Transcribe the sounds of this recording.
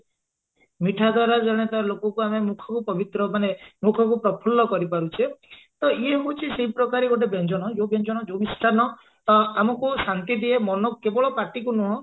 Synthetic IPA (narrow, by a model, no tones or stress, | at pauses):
miʈʰad̪ʱwaɾad͡ʒɔɽ̃et̪alokɔkuamemukʰɔkupɔbit̪ɾɔmanemukʰɔk̬upɾɔpʰɔlːɔkɔɾipaɾut͡ʃʰe | t̪ɔieɦot͡ʃʰiseipɾɔkaɾiɡoʈebend͡ʒɔɽ̃ɔd͡ʒobend͡ʒɔɽ̃ɔd͡ʒomisʈʰanɔ | t̪ɔamɔkusant̪id̪iemɔnɔkebɔɭɔpaʈikunuɦɔ̃